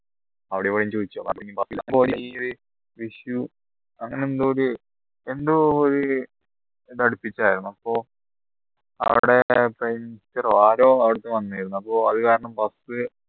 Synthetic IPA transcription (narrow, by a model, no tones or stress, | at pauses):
ɐʋiɽeʋɐɽɐjmt͡ɕoːðit͡ɕːuo̰mɐpːiŋːipɐsboːɾioɾi | ʋiʂju | ɐŋːɐneend̪ooɾu | e̞nd̪uːɾu | t̪ɐɽupːit͡ɕːaːjiɾunːuɐpːo̞ː | ɐ̰ʋiɽe̞prejmst͡ɕːɐraːɾo̞ːɐʋiɽɐt̪ːeʋɐnːaːjiɾunːuɐpːoːɐðɨkaːɾɐɳɐmpɐsɨ